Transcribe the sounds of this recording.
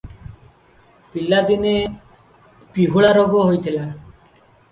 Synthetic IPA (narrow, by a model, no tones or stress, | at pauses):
pilːad̪ine | piɦuɭaɾoɡoɦojt̪ʰila